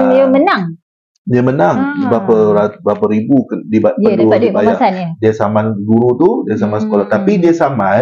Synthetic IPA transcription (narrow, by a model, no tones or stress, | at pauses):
iəmənaŋ | diəmənaŋbapaɾabɾapaɾibukdibaədudibajaasanadiasamanɡuɾut̪udiasamansə̥kolaht̪apidiasama